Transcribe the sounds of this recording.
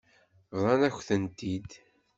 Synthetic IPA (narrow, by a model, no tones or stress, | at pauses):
vðˤɑnæçθənt̪id̪